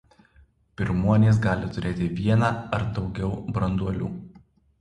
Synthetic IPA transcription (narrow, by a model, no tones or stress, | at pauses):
pʲɪɾmuɔnʲeːs̬ɡɑːlʲɪt̪ʊɾʲeːt̪ʲɪʋʲiɛnɑɐɾd̪ɒʊɡʲɛʊbɾɐnd̪uɔlʲṵː